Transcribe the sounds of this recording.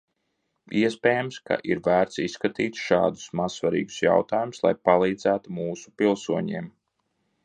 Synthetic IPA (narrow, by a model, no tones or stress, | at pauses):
iɛspʲeːjamska̰ʔiɾvæːɾt̪sisːkat̪iːt̪ʃɑ̰ːd̪u̥smaz̥svaɾḭːɡu̥sja̰wt̪ɑːjumuslˠa̰jpalˠiːd̪zæːt̪umuːsu̥pilˠsuɔɲḭɛm